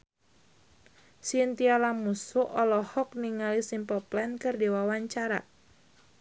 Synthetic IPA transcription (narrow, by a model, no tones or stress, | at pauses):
sint̪ialamusuʔɔlɔhɔk̚niŋalisimpɔplɛnkərdewawaɲt͡ʃaɾa